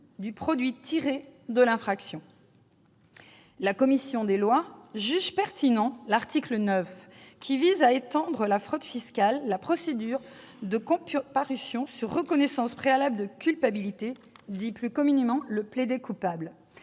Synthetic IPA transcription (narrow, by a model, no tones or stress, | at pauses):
d̪ypχɔd̪ɥit̪ʰiʁed̪əlɛ̃fχaksjɔ̃ | lakɔmisjɔ̃d̪elwaʒyʒpɛʁt̪inɑ̃laʁt̪iklənœfkʲʰivizaet̪ɑ̃d̪ʁəlafχɔt̪fiskʲalːapχɔsed̪yʁ | d̪əkɔ̃ppaʁysjɔ̃syʁːəkɔnɛsɑ̃spχealabld̪əkʲylpabilit̪e | d̪iplykɔmynemɑ̃ləpled̪ekupabl